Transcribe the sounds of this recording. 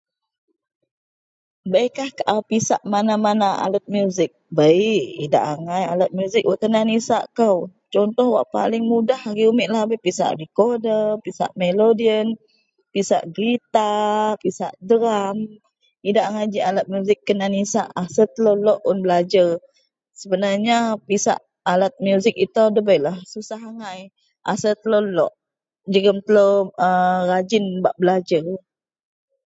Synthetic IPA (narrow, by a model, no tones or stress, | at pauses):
bəikahkaʔawpisaʔmanamanaa̰lət̪̚mjuzɪk̚bəiʔida̰ʔaŋajalət̪̚mjuzɪk̚waʔt̪ənanisa̰ʔkəwt͡ʃɔnt̪ɔhwa̰ʔpa̰lɪŋmudahaɡiumɪʔ̪lahbəjpisa̰ʔɾikodəpisa̰ʔmelodiən | pisa̰ʔɡɾit̪apisa̰ʔdəɾam | idaʔŋad͡ʒialat̪̚mjuzɪkːənanisaʔasət̪əlolɔʔʊnbəlad͡ʒər | səbənarɲapisa̰ʔ | alat̪̚mjuzɪkit̪odəbəjlahsusaɦaŋaj | ʔa̰sət̪əlolɔʔ | d͡ʒəɡəmt̪əlowərad͡ʒɪnbaʔbəlad͡ʒər